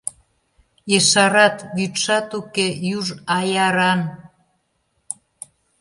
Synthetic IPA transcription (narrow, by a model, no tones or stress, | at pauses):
eʃɑɾɑt̪jyt̪ʃɑt̪ukejuʒɑjɑɾɑn